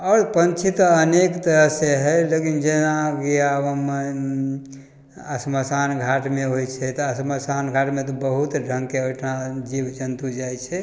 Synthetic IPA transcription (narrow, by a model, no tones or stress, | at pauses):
ɔːɾpənt͡ʃʰit̪ɔənekt̪əɾəɦseɦɛjlekind͡ʒenakeabəm | əsməsanɡʱaʈmeɦojt͡ʃʰɛt̪ɔəsməsanɡʱaʈmet̪ɔbəɦut̪ɖʱəŋɡkeojʈʰnad͡ʒibd͡ʒənt̪ud͡ʒajt͡ʃʰɛ